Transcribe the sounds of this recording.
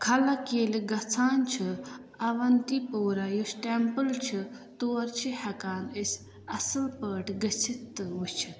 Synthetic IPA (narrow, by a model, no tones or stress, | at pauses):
kʰɐlɐkeːliɡɐt͡sʰaːnt͡ʃʰi | ɐʋɐnt̪ipoːɾajusʈempɨlt͡ʃʰit̪uːɐɾt͡ʃʰihɐkaːnəsʲ | ɐsɨlpəːʈɡət͡sʰit̪ːɨut͡ʃʰi